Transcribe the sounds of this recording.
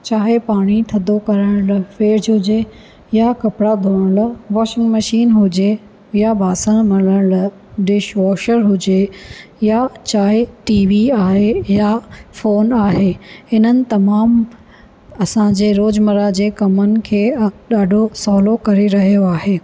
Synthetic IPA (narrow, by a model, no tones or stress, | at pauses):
t͡ɕaːɦepaːɽ̃it̪ʰɐd̪ʱokɐɾəɽ̃lfeːɾd͡ʑɦʊd͡ʑe | jakɐpɽad̪ʱoːɽ̃lʋɔːʃɪ̃ŋɡmɐʃiːnɦʊd͡ʑe | jabʱaːsəɽ̃mɐɽəɽ̃l | ɖɪʃʋɔːʃəɾɦʊd͡ʑejat͡ɕaːɦeʈiːʋiaːɦejafoːnaːɦeːhɪnənɪ̆t̪ɐmaːm | ɐsãd͡ʑeːɾoːd͡ʑmɐɾad͡ʑeːkɐmənɪ̆kʰeːɗaːɖʱosɔːlokɐɾeɾɐɦijoaːɦeː